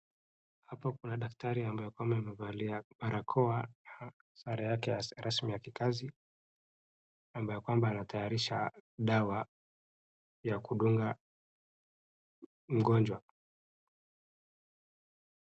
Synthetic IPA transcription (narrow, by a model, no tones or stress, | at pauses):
hapɔkunaɗaktaɾiambajɔkwambaimɛvaliamaɾʔakʰɔaa | saɾajakɛjaɾasmijakikazi | ambajɔkwambaːnatʰajaɾiʃaɗawa | jakuɗuŋɡa | m̩ɡɔnd͡ʒwa